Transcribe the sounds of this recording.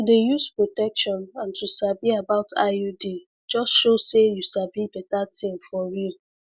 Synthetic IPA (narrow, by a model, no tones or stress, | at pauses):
tudejuspɹotɛkʃɔ̃nãntʰusabiabaʊtʰa̰udi | d͡ʒɔstʃosejusabibɛtatĩŋfɔɹil